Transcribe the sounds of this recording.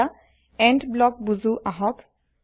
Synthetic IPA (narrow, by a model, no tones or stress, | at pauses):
a | ɛndblɔk̚buzuʔaɦɔk